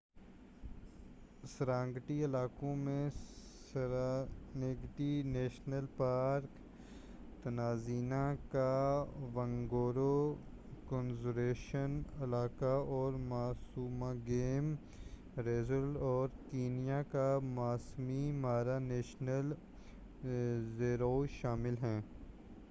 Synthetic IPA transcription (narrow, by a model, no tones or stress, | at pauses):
səɾãːŋɡʈiɪlaːkõmẽsəɾaneɡʈineːʃnəlpaːɾk | t̪ɐnaːziːnãkaʋɐ̃ŋɡoːɾo | kõnzuɾeːʃənɐlaːkaɔːɾmaːsuːmãɡeːm | ɾeːzəlɔːɾkiːnijakamaːsmimaːɾaneːʃnəl | zeːɾoːʃaːmɪlɦɛ̃ː